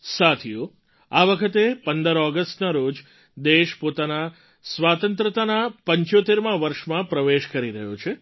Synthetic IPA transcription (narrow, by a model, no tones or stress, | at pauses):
sat̪ʰijo | aʋəkʰət̪epənd̪əɾɔɡəsʈnaɾod͡ʒ | d̪eʃpot̪ana | sʋat̪ənt̪ɾət̪anapəɲt͡ʃot̪eɾmãʋəɾʃmãpɾəʋeʃkəɾiɾəɦjot͡ʃʰe